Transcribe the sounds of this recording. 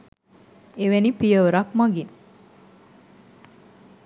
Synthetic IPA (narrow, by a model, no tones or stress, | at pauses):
eʋenipijəʋɾakmaɡin